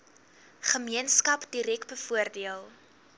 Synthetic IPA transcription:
χəmiənskɐpdiɾɛkbəfuərdiəlˠ

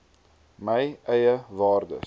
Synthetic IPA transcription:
məjʔɛjəvɑːrdə̰

